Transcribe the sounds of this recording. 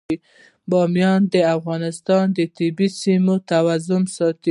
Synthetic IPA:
i | bɑmjɑnd̪əafɣɑnɪst̪ɑnd̪ət̪ɪbisimot̪awazʊmsɑt̪

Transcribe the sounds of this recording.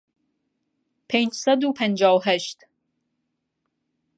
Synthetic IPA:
pʰend͡ʒsæd̪upʰænd͡ʒaːwɦæʃt̪

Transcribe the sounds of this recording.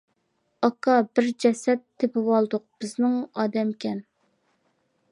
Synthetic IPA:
ɑkʰɑbɪɾd͡ʒɛsɛt̪ʰːepɪwɑlˠd̪ʊq̚b̥ɪznɪŋɑːd̪ɛmkʲʰɛn

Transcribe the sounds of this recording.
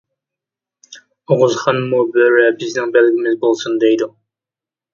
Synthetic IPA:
oʁʊzχɑnmubøɾɛbɪznɪŋbɛlɡʲɪmɪzbolˠsund̪ɛjd̪u

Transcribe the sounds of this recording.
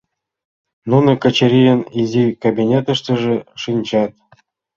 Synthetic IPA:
nunɤ̆kə̆t͡ɕĕɾʲijənizʲikabʲinʲet̪ɤ̆ʂt̪ɤ̆ʐɘ̆ʂɯnʲt͡ɕɑt̪̚

